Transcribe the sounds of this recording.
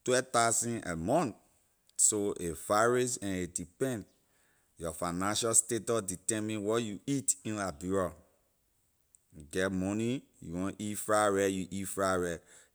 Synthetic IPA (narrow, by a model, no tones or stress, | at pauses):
twɛtasɔ̃nɛ̰mɔ̃nt | soʔefaɹis̬ɛ̃nedipɛ̃nt | jɔfanãnʃastetɔditɛmĩnwɔjuitĩnlabuɹa | ɡɛtmɔnijṵwõnʔitfɹawɛjuʔitfɹawɛ